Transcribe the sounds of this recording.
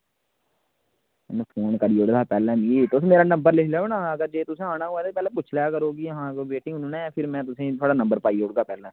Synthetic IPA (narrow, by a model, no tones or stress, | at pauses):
ɛ̰nũːpʰoːnkəɾiːʊɽd̪aːpɛːlɛ̃ːmit̪ʊs̬meːɾaːnə̃mbəɾlɪkʰleaːeːnãːəɡəɾd͡ʒeːt̪ʊsẽːaːnaːoːaːt̪epɛːlɛ̃ːpʊt͡ʃʰlɛːkəɾoːɡiːɦãːobeːʈĩːʊnnɛ̃ːpʰɪɾmɛ̃ːt̪ʊsẽːt̪ʰoaːɽaːnə̃mbəɾpaːiʊɽɡaːpɛːlɛ̃ː